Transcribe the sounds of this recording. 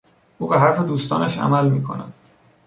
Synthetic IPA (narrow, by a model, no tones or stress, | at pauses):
ʔuːbeɦæɾfed̪uːst̪ɒ̰ːnæʃæ̰mælmiːkʰo̞̰næ̰d̪̥